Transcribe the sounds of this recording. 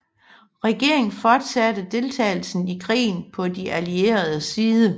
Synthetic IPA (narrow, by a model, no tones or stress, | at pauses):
ʁɛɡ̥e̝ɐ̰e̝ŋfɒd̥sæd̥əd̥e̝lt͡sʰɛ̰ːɪl̩sn̩ikʰʁḭːn̩pʰɒ̽diʔælie̝̰ːɐð̞ˠəsiːðˠə